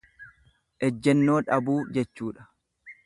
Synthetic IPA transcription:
ʔɛd͡ʒːɛnːo̞ːᶑɐbuːd͡ʒɛt͡ʃːuːᶑɐ̥

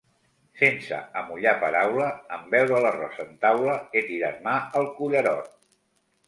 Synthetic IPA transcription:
fensə̰əmuʎapəɾawləəmbɛwɾələrɔ̰sənt̪awləet̪iɾat̪maəlˠkuʎəɾɔ̰t̪

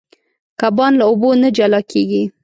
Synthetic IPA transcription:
kabɑnlaobonad͡ʒalɑkeɡi

